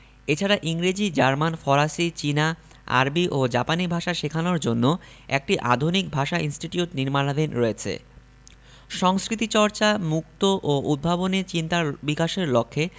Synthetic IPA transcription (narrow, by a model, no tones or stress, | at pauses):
et͡ɕʰaɾaʔiŋɾid͡ʑid͡ʑaɾmanfɔɾaʃit͡ɕina | a̰ɾbiʔod͡ʑapanibʱaʃaʃekʰanoɾd͡ʑonːo | ek̚ʈiʔa̰d̪ʱonikbʱaʃaʔinsʈiʈiuʈniɾmanad̪inɾoet͡ɕʰḛ | ʃɔŋskɾit̪it͡ɕɔɾt͡ɕamuk̚t̪oʔoud̪̚bʱabonet͡ɕint̪abikaʃeɾlokʰːe